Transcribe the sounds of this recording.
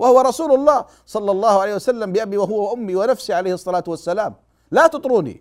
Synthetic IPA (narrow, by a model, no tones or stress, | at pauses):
wahʊwɑɾˤɑsuːlʊlˤːɑːh | sˤɑlːɑlˤːɑːhʊʕalejːhwasalːambɪʔabiwaɦʊwawaʔʊmːiwanafsiʕalejhɨsˤːɑlaːt̪wasːalaːm | laːt̪ʊt̪ˤɾuːnḭ